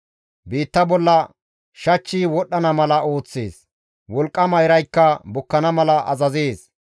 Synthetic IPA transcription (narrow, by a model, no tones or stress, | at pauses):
biːt̪ːɐbɔlːɐ | ʃɐt͡ʃːiːwɔɗːɐnɐmɐlɐo̞ːt͡sːe̞̰ːs | wɔlkʼːɐmɐjɾɐjkːɐbʊkːɐnɐmɐlɐʔɐ̰zɐzeːs